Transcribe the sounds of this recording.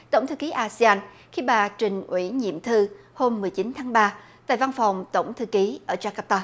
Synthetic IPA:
t̪ə̰˧˩wŋ͡mt̪ʰɨ˧ki˨˦ʔaː˧si˧aː˧n | xi˧ɓaː˨˩t͡ɕï˨˩ŋ̟ʔwḭ˧˥ɲḭ˧˨əmt̪ʰɨ˧ | ho˧mːɨ˨˩əjt͡ɕi˨˦nt̪ʰaː˨˦ŋɓaː˧ | t̪a̰ː˧˨jva˧nfa˨˩wŋ͡mt̪ə˧˩wŋ͡mt̪ʰɨ˧ki˨˦ʔəː˧˩t͡ɕaː˧ka˧p̚t̪aː˧

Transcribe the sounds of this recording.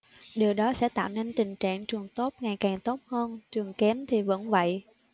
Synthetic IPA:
ɗi˨˩əwɗɔ˨˦sɛ̰˧˥t̪a̰ː˧˨wne˧nt̪ï˨˩ŋ̟t͡ɕa̰ː˧˨ŋt͡ɕɨ˨˩əŋt̪o˦˥t̚ŋa˨˩jkaː˨˩ŋt̪o˦˥t̚həː˧nt͡ɕɨ˨˩əŋkɛ˨˦mt̪ʰi˨˩və̰˧˥nvə̰˧˨j

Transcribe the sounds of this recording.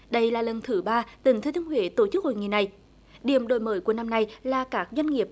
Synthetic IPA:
ɗə˧jlaː˨˩lə˨˩nt̪ʰɨ˨˦ɓaː˧t̪ï˨˩˦ŋt̪ʰːt̪ɨ˧hɦwḛ˧˦t̪o˧˩t͡ɕɨ˦˥k̚ho̰˧˨jŋḭ˧˨na˨˩j | ɗi˧˩əmɗo˧˩jməː˨˦jku˧˩əna˧mna˧jlaː˨˩kaː˦˥k̚zwa˧jŋ̟ŋi˨˩əp̚

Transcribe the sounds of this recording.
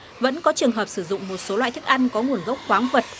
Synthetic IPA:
və̰˧˥nkɔ˨˦t͡ɕɨ˨˩əŋɦəː˨˩p̚sɨ˧˩zʊ̰˧˨ŋ͡mmo˨˩t̚so˨˦lwa̰ː˧˨jt̪ɨ˦˥k̚ʔa˧jŋkɔ˨˦ŋu˨˩ənɣə˦˥wk͡p̚xwaː˨˦ŋvə˨˩t̚

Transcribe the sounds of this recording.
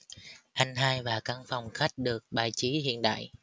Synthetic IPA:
ʔa˧jŋ̟ɦaː˧jvaː˨˩kaː˧ŋfa˨˩wŋ͡mxa˦˥jk̟̚ɗɨ˨˩ək̚ɓa̰ː˧˨˩jt͡ɕi˨˦hḭ˧˨ənɗa̰ː˧˨j

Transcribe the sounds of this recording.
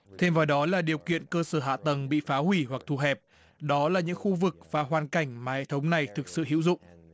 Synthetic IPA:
t̪ʰe˧mvaː˨˩wɗɔ˨˦laː˨˩ɗi˨˩əwkḭ˧˨ənkəː˧səː˧˩ɦa̰ː˧˨t̪ə˨˩ŋɓḭ˧˨faː˨˦ɦwi˧˩ɦwa˨˩k̚t̪ʰu˧˩ɦɛ˨˩p̚ | ɗɔ˨˦laː˨˩ɲɨ̰˧˥ŋxu˧vɨ˨˩k̚vaː˨˩ɦwaː˨˩nka˧˩jŋ̟maː˨˩hḛ˧˨t̪ʰwŋ͡mna˨˩jt̪ʰɨ˨˩k̚sɨ̰˧˨ɦḭ˧˥wzʊ̰˧˨ŋ͡m

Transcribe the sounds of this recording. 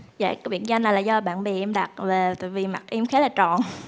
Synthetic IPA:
za̰ː˧˨ka˨˦ɓḭ˧˨ənza˧jnaː˨˩jlaː˨˩zɔ˧ɓa̰ː˧˨nɓḭ˧˨˩ʔɛ˧mɗa˨˩t̚ve˨˩t̪a̰ː˧˨jvi˨˩ma˨˩t̚ʔɛ˧mxɛː˨˦laː˨˩t͡ɕɔ̰˧˨n

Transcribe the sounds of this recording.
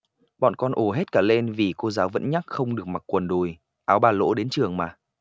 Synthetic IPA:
ɓɔ̰˧˨nkɔ˧nʔo˧˩ɦe˦˥t̚kaː˧˩le˧nvi˨˩ko˧zaː˨˦wvə̰˧˥nɲa˦˥k̚xə˧wŋ͡mɗɨ˨˩ək̚ma˨˩t̚kwə˨˩nɗu˨˩j | ʔaː˨˦wɓaː˨˩lo̰˧˥ɗe˨˦nt͡ɕɨ˨˩əŋmaː˨˩

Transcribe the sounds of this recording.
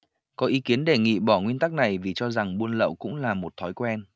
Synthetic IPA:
kɔ˨˦ʔi˨˦ki˨˦ənɗe˧˨˩ŋḭ˧˨ɓɔ˧˩ŋwi˧ənt̪a˦˥k̚na˨˩jvi˨˩t͡ɕɔ˧za˨˩ŋɓu˧ənlə̰˧˨wkʊ̰˧˥ŋ͡mlaː˨˩mo˨˩t̚t̪ʰɔ˨˦jkwɛ˧n

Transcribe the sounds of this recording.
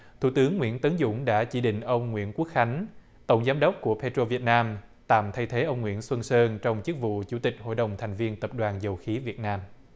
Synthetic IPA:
t̪ʰṵ˧˩t̪ɨ˨˦əŋːwḭ˧˥ənt̪ə˨˦nzʊ̰˧˥ŋ͡mɗa̰ː˧˥t͡ɕi˧˩ɗḭ̈˧˨ŋ̟ʔə˧wŋ͡mŋwḭ˧˥ənku˦˥ək̚xa˨˦jŋ̟ | t̪ə̰˧˩wŋ͡mzaː˨˦mɗə˦˥wk͡p̚ku˧˩əpʰe˧t̪o˧vi˨˩ət̚naː˧m | t̪a̰ː˧˨˩mt̪ʰa˧jt̪ʰe˨˦ʔə˧wŋ͡mŋwḭ˧˥ənswə˧nsəː˧nt͡ɕɔ˧wŋ͡mt͡ɕɨ˦˥ək̚vṵ˧˨t͡ɕu˧˩t̪ï˨˩k̟̚ho̰˧˨jɗə˨˩wŋ͡mt̪ʰa˨˩jŋ̟vi˧ənt̪ə˨˩p̚ɗwaː˨˩nzə˨˩wxi˨˦vi˨˩ət̚naː˧m

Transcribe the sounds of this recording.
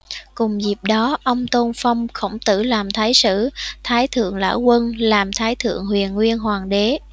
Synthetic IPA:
kʊ˨˩ŋ͡mzi˨˩p̚ɗɔ˨˦ʔə˧wŋ͡mt̪o˧nfə˧wŋ͡mxə̰˧˥˩wŋ͡mt̪ɨ̰˧˩laː˨˩mt̪ʰaː˨˦jsɨ̰˧˩t̪ʰaː˨˦jt̪ʰɨ̰˧˨əŋla̰ː˧˥˩wkwə˧nlaː˨˩mt̪ʰaː˨˦jt̪ʰɨ̰˧˨əŋɦwḭ˨˩ənŋwi˧ənɦwaː˨˩ŋɗe˨˦

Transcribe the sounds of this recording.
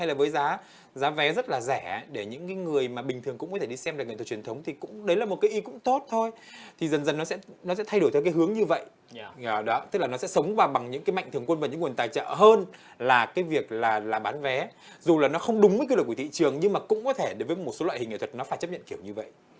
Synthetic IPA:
ha˧jlaː˨˩vəː˨˦jzaː˨˦ | zaː˨˦vɛ˨˦zə˦˥t̚laː˨˩zɛ˧˩ɗe˧˩ɲɨ̰˧˥ŋkaː˨˦jŋɨ˨˩əjmaː˨˩ɓï˨˩ŋ̟t̪ʰɨ˨˩əŋkʊ̰˧˥ŋ͡mkɔ˨˦t̪ʰe˧˩ɗi˧sɛ˧mɨː˨˩kŋ˨˩t̪ʰːt͡ɕi˨˩ənt̪ʰə˨˦wŋ͡mt̪ʰi˨˩kʊ̰˧˥ŋ͡mɗə˨˦jlaː˨˩mo˨˩t̚kaː˨˦jʔi˧kʊ̰˧˥ŋ͡mt̪o˦˥t̚t̪ʰo˧j | t̪ʰi˨˩zə˨˩nzə˨˩nːɔ˨˦sɛ̰˧˥nɔ˨˦sɛ̰˧˥t̪ʰa˧jɗo˧˩t̪ʰɔ˧˩kaː˨˦ɦɨ˨˦əŋɲɨ˧və̰˧˨jʔ | ɗɔ˨˦t̪ɨ˦˥k̚la˨nɔ˨˦sɛ̰˧˥sə˨˦wŋ͡mvaː˨˩ɓa˨˩ŋɲɨ̰˧˥ŋkaː˨˦ma̰˧˨jŋt̪ʰɨ˨˩əŋkwə˧nvaː˨˩ɲɨ̰˧˥ŋwənt̪aː˨˩jt͡ɕə̰ː˧˨ɦəː˧n | laː˨˩kaː˨˦jvi˨˩ək̚laː˨˩laː˨˩ɓaː˨˦nvɛ˨˦ | zu˨˩laː˨˩nɔ˨˦xə˧wŋ͡mɗʊ˨˦ŋ͡məː˨˦ki˧˨˩kw̪ḭ˧˨t͡ɕɨ˨˩əŋɲɨ˧ŋmaː˨˩kʊ̰˧˥ŋ͡mkɔ˨˦t̪ʰe˧˩ɗə˨˦jvəː˨˦mo˨˩so˨˦wa̰˧˨hï˨˩ŋʔ̪ʰə˨˩t̚nɔ˨˦faː˧˩jt͡ɕə˦˥p̚ɲə̰˧˨nki˧˩əwɲɨ˧və̰˧˨jʔ

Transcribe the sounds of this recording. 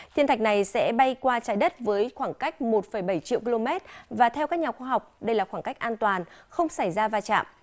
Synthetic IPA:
t̪ʰi˧nt̪ʰa˨˩k̚na˨˩jsɛ̰˧˥ɓa˧jkwaː˧t͡ɕaː˨˦jɗə˦˥t̚vəː˨˦jxwaː˧˩ŋka˦˥jk̟̚mo˨˩t̚fə˧˩jɓə˧˩jt͡ɕḭ˧˨ki˧lo˧mɛ˦˥t̚vaː˨˩t̪ʰɛ˧wkaː˦˥k̚ɲaː˨˩xwaː˧ɦa˨˩wk͡p̚ɗə˧jlaː˨˩xwaː˧˩ŋka˦˥jk̚ʔaː˧nt̪waː˨˩nxə˧wŋ͡msa˧˩jzaː˧vaː˧t͡ɕa̰ː˧˨mʔ

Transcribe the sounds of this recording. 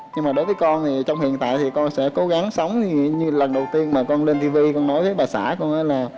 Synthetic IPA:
ɲɨ˧ŋmaː˨˩ɗo˨˦jvəː˨˦jkɔ˧nt̪ʰi˨˩t͡ɕɔ˧wŋ͡mhḭ˧˨ənt̪a̰ː˧˨jt̪ʰi˨˩kɔ˧nsɛ̰˧˥ko˨˦ɣa˨˦ŋsə˨˦wŋ͡mɲɨ˧lə˨˩nɗə˨˩wt̪i˧ənmaː˨˩kɔ˧nle˧nt̪ʰi˧vi˧kɔ˧nnɔ˨˦jvəː˨˦jɓaː˨˩sa̰ː˧˩kɔ˧nʔəː˧˥laː˨˩

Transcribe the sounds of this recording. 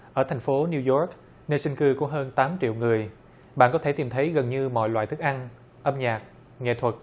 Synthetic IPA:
ʔəː˧˩t̪ʰjŋ̟fo˨˦ni˧wzɔ˦˥k̚ | ne˧si˧ŋ̟kɨ˧kṵ˧˩ɦəː˧nt̪aː˨˦mt͡ɕḭ˧˨əwŋɨ˨˩əj | ɓa̰ː˧˨nkɔ˨˦t̪ʰe˧˩t̪i˨˩mt̪ʰə˨˦jɣə˨˩nɲɨ˧mɔ̰˧˨jlwa̰ː˧˨t̪ʰɨ˦˥k̚ʔa˧n | ʔə˧mɲaː˨˩k̚ | ŋḛ˧˨t̪ʰwə˨˩t̚

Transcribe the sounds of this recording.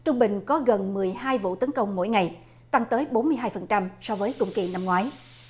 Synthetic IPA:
t͡ɕʊ˧ŋ͡mɓï˨˩ŋ̟kɔ˨˦ɣə˨˩nmɨ˨˩əjhaː˧jvṵ˧˨t̪ə˨˦nkə˧wŋ͡mmo̰˧˥˨jŋa˨˩j | t̪a˧ŋt̪əː˨˦jɓo˨˦nmɨ˧əjɦaː˧jfə˨˩nt͡ɕa˧msɔ˧vəː˨˦jkʊ̰˧˩˨ŋ͡mkḭ˧˨na˧mŋwaː˨˦j

